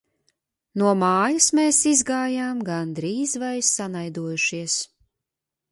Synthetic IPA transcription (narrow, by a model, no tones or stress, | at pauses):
nuɔmaːjɐsmeːsizɡaːjaːmɡand̪ɾiːzvajsːanajd̪uɔjuʃiɛs